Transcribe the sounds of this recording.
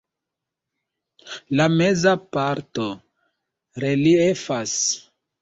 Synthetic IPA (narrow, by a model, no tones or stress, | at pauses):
lame̞zapaɾto̞ | ɾeliefas